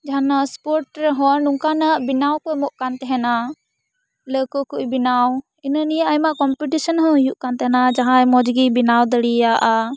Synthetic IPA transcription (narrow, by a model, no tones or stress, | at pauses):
d͡ʒanaspɔɾʈɾɛɦɔnuŋkanəʔbinawkɔmɔʔkant̪ɛɦɛna | ləkɔkuʔjbinaw | inənijaʔajmaʔkɔmpiʈisɔnɦɔ̃juʔkant̪ɛɦɛnad͡ʒaɦãjmɔd͡ʒɡibinawd̪əɽijaʔa